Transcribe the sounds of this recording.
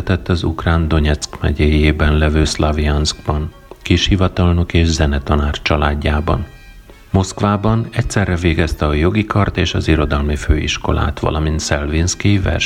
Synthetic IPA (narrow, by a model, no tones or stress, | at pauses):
t̪ɛt̪ːɒzṵkraːnd̪o̞ɲɛt̪skmɛ̰ɟeːjeːbɛnlɛvøːslɒviɒnsɡbɒŋ | kiʃhivɒt̪ɒlno̞keːʒzɛnɛt̪ɒnaːrt͡ʃɒlaːɟːaːbɒ̰n | mo̞skʋaːbɒnɛcsɛrːɛveːɡɛst̪ɛɒjo̞ɡikʰɒrt̪eːʃɒziɾo̞d̪ɒlmiføːḭʃko̞̰la̰ːt̪ʋɒ̰lʔɒmint̪sɛlvinskivɛ̰rʃ